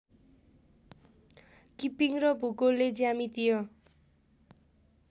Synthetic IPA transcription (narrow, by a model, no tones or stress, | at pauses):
kipiŋrʌbʱuɡolːed͡zjamit̪ijʌ